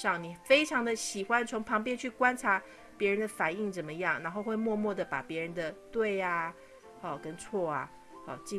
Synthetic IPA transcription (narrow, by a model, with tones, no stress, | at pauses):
ɑ˥˩ŋni˨˩fe˥ɪʈ͡ʂʰɑ˧˥ŋd̪ə˨ɕi˨˩xwa˦nt͡sʰʊ˧˥ŋpʰɑ˧˥ŋp̬jɛ˥nt͡ɕʰy˥˩kwa˥nʈ͡ʂʰa˧˥˦ | pjɛ˧˥ɻə˧˦nd̪ə˨fa˨˩ni˥˩ŋt͡sə˨˩nmə˦jɑ˥˩ŋna˧˥nxo˥˧ʊxwe˥˧ɪmwɔ˥˧mwɔ˥˩d̪ə˩pa˨˩pjɛ˧˥ɻə˧˦nd̪ə˨t̪we˥˩ɪa˧ | ɔ˥˩kə˦nt͡sʰwɔ˥˩a˩ | ɔ˥˩t͡ɕi˥˧